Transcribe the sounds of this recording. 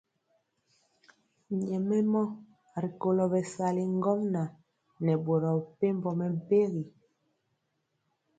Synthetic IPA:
ɲɛ˨mɛ˦mɔ˦ | ɾi˨ko˨lɔ˨bɛ˨sa˨li˨ŋ˦ɡɔ˦mna˨ | nɛ˨bo˨ɾɔ˨pe˦m˦bɔ˨mɛ˨m̩˨pe˦ɣi˨

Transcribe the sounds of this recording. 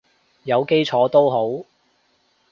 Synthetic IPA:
jɐ˨˧wke˥jt͡ʃʰɔː˨˥t̪o˥wɦo˨˥w

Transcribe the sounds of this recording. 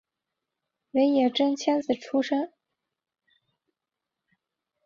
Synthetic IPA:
we˧˥ɪjɛ˨˩ʈ͡ʂɤ˥ŋt͡ɕʰjɛ˥nt͡sɹ̩˨˩ʈ͡ʂʰu˥ʂə˥ŋ

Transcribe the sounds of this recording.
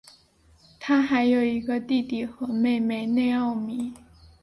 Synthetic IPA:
t̪ʰa˥xa˧˥ɪjo˨˩ʊi˧˥ɡə˧t̪i˥˧t̪i˨˩xɤ˧˥˦me˥˩ɪme˥˩ɪne˥˧ɪɑ˥˩ʊmi˧˥˦

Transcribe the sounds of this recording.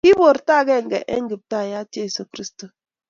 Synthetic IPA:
ki˦bo˨ɾta˦˨ɡɛ˦˨ŋ̩˨ɡɛ˨ʔḛ˦ŋ̩˦ɡi˨b̚ta˦˨ja˦te˦˨so˨kɾi˦sto˨

